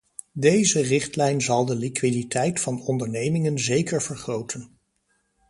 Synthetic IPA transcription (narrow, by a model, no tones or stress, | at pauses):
dejzərɪχtlɛjnzɑlˠdəlikʋiditʰɛjtfɑnɔndəɹnejmɪŋənzejkəɹvəɹχrowtʰən